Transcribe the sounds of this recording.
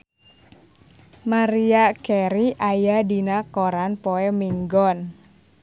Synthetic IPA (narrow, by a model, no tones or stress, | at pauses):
maɾiakɛɾiʔajadinakoɾanpɔɛmiŋɡɔn